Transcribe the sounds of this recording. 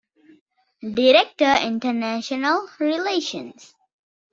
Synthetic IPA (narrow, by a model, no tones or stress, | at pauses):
diɾɛk̚təɪ̰̃ntənæʃɔnəlɹileʃə̃ns